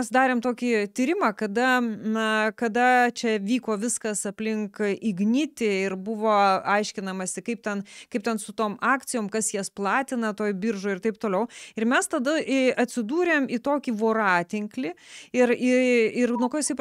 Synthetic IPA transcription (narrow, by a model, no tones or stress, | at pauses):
ɛsd̪ɑːɾʲeːmt̪oːkʲit̪ʲiːɾʲɪmɑːkɐd̪ɐnɐkɐd̪ɐt͡ʃʲɛʋʲiːkoːʋʲɪskɐsɐpʲlʲɪŋkɪɡnʲɪt̪ʲɪɪɾbʊʋoːɐɪʃʲkʲɪnɐmɐsʲɪkɐɪp̚t̪ʲɛnkɐɪp̚t̪ʲɛnsʊt̪oːmɑːkt̪sʲɪjoːmkɐsjɛsplˠɑːt̪ʲɪnɐt̪oːjbʲɪɾʒoːɪɾt̪ɐɪp̚t̪oːlʲɛʊɪɾmʲɛst̪ɐd̪ɐʔɐt̪ʲsʲɪd̪uːɾʲeːmit̪oːkʲiːʋoːɾɑːt̪ʲɪŋklʲɪɪrɪɪɾnuɔkoːjɪsɐɪp